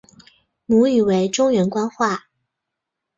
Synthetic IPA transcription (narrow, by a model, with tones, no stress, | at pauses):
mu˧˥y˨˩we˧˥ɪʈ͡ʂʊ˥ŋɥɛ˧˥nkwa˥nxwa˥˩